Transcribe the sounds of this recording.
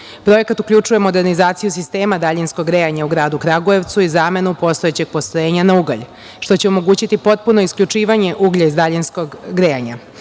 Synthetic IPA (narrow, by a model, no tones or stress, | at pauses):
pɾo̞je̞kat̪ukʎut͡ʂuje̞mo̞d̪e̞ɾnizaːt̪sijus̬ist̪e̞ːmad̪aʎinsko̞ɡɾejaɲauɡɾaːd̪ukɾaɡoje̞ʋt̪suizame̞nupo̞st̪oet͡ɕe̞ɡ̚po̞st̪ojeːɲanauɡa̰ʎ | ʃt̪o̞t͡ɕeo̞mo̞ɡuːt͡ɕit̪ipo̞t̪̚puno̞iskʎut͡ʂiːʋaɲe̞ʔuɡʎaizd̪aʎinskoɡɡɾeaɲa̰